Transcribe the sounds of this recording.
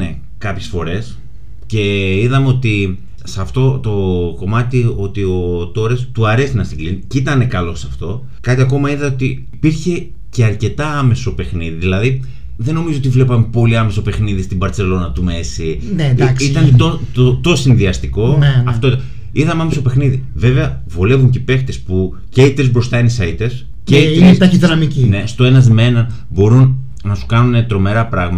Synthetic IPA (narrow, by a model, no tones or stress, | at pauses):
ne | kɐpçesfo̞ɾe̞s | ce̞iðɐmeo̞t̪i | sɐft̪o̞t̪o̞ko̞mɐt̪io̞t̪io̞t̪o̞ɾest̪uɐɾe̞sinɐst̪iɡlinicit̪ɐne̞kɐlo̞sɐft̪o̞ | kɐt̪iɐko̞mɐiðɐot̪iːpiɾçe̞ | ceɐɾce̞t̪ɐɐme̞sope̞xniðiðilɐði | ðe̞no̞mizoo̞t̪ivle̞pɐmepo̞liɐme̞so̞pe̞xniðist̪ibɐɾt͡se̞lo̞nɐt̪umesi | neksit̪ɐnt̪oot̪osinðiɐst̪iko̞neɐft̪oit̪ | iðɐmɐmesope̞xniðive̞ve̞ɐ | vole̞vuɲcepe̞xt̪e̞spu | ceit̪ezbɾo̞st̪ɐinisɐit̪es | ceiinest̪ɐçiðinɐmicine̞st̪o̞e̞nɐzmenɐn | bo̞ɾun | nɐsu̥kɐnunet̪ɾo̞me̞ɾɐpɾɐɣmɐɐ